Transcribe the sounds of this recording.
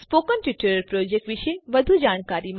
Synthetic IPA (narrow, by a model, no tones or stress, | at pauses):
spoːkənʈiʈəɾəɾpɾoːd͡ʒek̚ʈʋɪʃeʋəd̪ʱud͡ʒaːɽ̃kaːɾim